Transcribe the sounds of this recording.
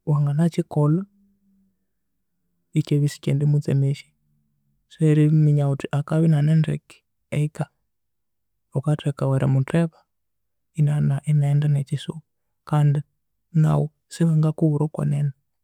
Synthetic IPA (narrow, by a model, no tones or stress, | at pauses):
waŋɡanat͡ʃikɔlɔ | it͡ʃɛβisi̥kɛndimud͡zɛmeʃi̥ | sɛɾimiɲautiʔakaβinanɛndɛ̰ki̥ | ɛika | ukatʰɛkawɛɾa̰mutʰɛβa | inanaʔinaɛndanet͡ʃisu | kandi | na̰wɔ | siwaŋɡakuuɾɔkwɔ̰nɛna